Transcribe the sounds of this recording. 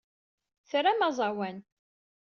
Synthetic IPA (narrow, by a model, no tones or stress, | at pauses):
θɾamæzˤɑwæn